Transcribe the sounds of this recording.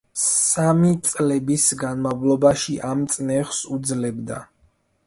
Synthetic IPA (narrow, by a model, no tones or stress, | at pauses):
samit̪sʼlɛbisɡanmavlˠɔbaʃiʔamt̪sʼnɛχsud̪zlɛbd̪a̰